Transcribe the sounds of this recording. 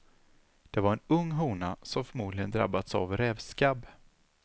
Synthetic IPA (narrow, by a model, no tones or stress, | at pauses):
d̪̥ɛvaɾɛnɵŋːɦuːnasɔmfœɾmuːd̪lɪɡənd̪ɾa̰bːad̪sa̰vɾɛvskab